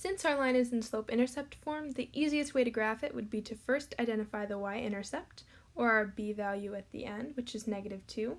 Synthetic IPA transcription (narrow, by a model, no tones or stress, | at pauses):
sɪ̃nsəlãɪ̃nɨz̃n̩sloʊpɪ̃ɾ̃ə˞sɛp̚tfɔɹmðiʔiziɨst̚weɪɾɨɡɹæfɨʔwɨ̰d̚biɾɨfɜ˞stʰaɪdɛ̃ɾ̃ɨfaɪðəwaɪʔɪ̰̃ɾ̃ə˞sɛp̚t | ə˞əbivælˠjʉɨt̪̚ðḭʔɛ̃nd̚wɨt͡ʃɨznɛɡɨɾɨv̥tʰʉ